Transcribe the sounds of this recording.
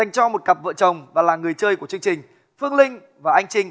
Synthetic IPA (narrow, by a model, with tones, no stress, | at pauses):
a˨˩jŋ̟t͡ɕɔ˧mo˨˩t̚kə˨˩p̚və̰ː˧˨t͡ɕə˨˩wŋ͡mvaː˨˩laː˨˩ŋɨ˨˩əjt͡ɕəː˧jku˧˩ət͡ɕɨ˧əŋt͡ɕï˨˩ŋ̟ | fɨ˧əŋlï˧ŋ̟ | vaː˨˩ʔa˧jŋ̟t͡ɕï˧ŋ